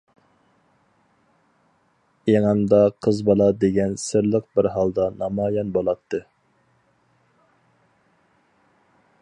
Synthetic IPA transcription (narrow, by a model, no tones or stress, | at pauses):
eŋæmd̪ɑqʰəzbɑlˠɑd̪eɡʲɛnsɪɾlˠəq̚bɪɾɦɑlˠd̪ɑnɑmɑːjɑnbolˠɑt̪ʰːɨ